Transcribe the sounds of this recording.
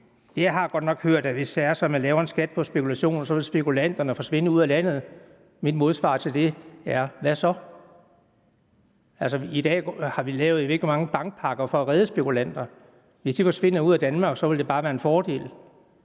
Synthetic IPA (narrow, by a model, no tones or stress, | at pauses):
d̥e̝jɦɑ̈ɡ̥ɒ̽d̥nɒ̽ɡ̥høɐ̰d̥æʋe̝sd̥ææɐsɒ̽mjænlɛːʊɐe̝nsɡ̥æd̥̚pʰɒ̽sb̥e̝kʰulæɕo̝̰ːnsɒ̽ʋe̝lsb̥e̝kʰulæn̰d̥ɐnəɒfɒ̽sʋe̝n̰əuð̰ˠælæn̰ð̞̩ˠ | mid̥mo̝ð̞ˠsʋɑ̰̈ːt͡sʰe̝ld̥e̝æɐʋæsɒ̽ | ælsɒid̥ɛ̰ːɡhɑ̈ʋilɛːʊð̞̩ˠʋḛɡ̥limɑ̈ŋəb̥ɑ̈ŋɡ̥̚pʰɑ̈ɡ̥ɐfɒ̽æʁɛð̞ˠəsb̥e̝kʰulæn̰d̥ɐ | ʋe̝sd̥ifɒ̽sʋe̝n̰ɐuð̰ˠæd̥ænmɑ̈ɡ̥sɒ̽ʋe̝ld̥e̝b̥ɑ̈ːʋæːɐenfɒːd̥e̝̰ːl